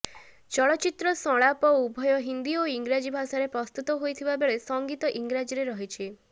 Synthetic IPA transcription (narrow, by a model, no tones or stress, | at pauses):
t͡ʃɔɭɔt͡ʃit̪ɾɔsɔɭ̃apɔubʱɔjɔɦind̪ioiŋɡɾad͡ʒibʱasaɾepɾɔst̪ut̪ɔɦojt̪ʰibabeɭesɔŋɡit̪ɔʔiŋɡɾad͡ʒiɾeɾɔɦit͡ʃʰi